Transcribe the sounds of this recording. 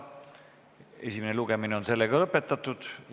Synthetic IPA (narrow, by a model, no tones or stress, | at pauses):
e̞̰sʲimeneluɡ̥emineo̞nse̞lːeɡ̥ɑlɤpːe̞t̪ːˑɑt̪ːˑud̪̥